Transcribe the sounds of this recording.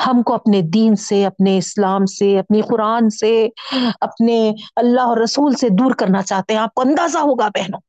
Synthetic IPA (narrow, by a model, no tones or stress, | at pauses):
hɐmkoɐpned̪iːnseɐpneɪslaːmseɐpnixʊɾaːnseɐpneɐlːaɦɔːɾːɐsuːlsed̪uːɾkɐɾnat͡ʃaːɦt̪eɦɛ̃aːp̚koɐ̃nd̪aːzaɦoːɡapɛɦnoː